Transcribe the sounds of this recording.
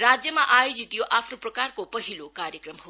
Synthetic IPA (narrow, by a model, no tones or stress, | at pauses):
ɾaːd͡ʒjəmãʔaːjod͡ʒit̪ijoʔaːpʰnopɾɐkaːɾkopəɦilokaːɾjəkɾəmɦo